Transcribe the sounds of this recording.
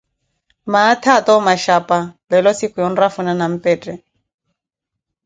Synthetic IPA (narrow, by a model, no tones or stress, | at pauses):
maːtʰatɔmaʃapʼabɛlɔsikʊjɔn̩rafunanam̩pɛːtʼɛ